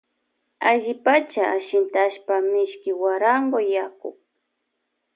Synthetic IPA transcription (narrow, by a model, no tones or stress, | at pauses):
aʒɪpat͡ʃaaʃɪnt̪aʃpamɪʃkɪwaɾaŋɡojakʊ̰k̚